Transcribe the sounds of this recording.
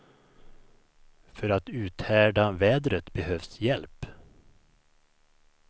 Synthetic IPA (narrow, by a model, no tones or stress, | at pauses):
fœɾat̪ʉ̟ːt̪hæːɖavɛːd̪ɾət̪bɛhøːfsjɛlp